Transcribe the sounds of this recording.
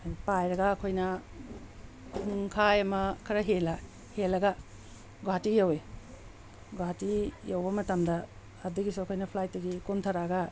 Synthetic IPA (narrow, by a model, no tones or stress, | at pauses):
pajɾɐɡɐːkʰojnɐ | huŋkʰajɐmɐkʰɐɾɐɦelɐ | helːɐɡɐ | ɡoatijɐwe | ɡoatijawbɐmɐtɐmdɐː | dɐɡisuɐkʰojnɐpʰlajtdɐɡikuntʰɐɾaɡɐ